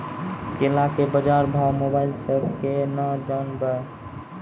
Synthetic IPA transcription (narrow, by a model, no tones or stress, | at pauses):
kɪlakebəd͡ʒaːɾbʱawmobaːɪlsəb̚kenad͡ʒaːnbəe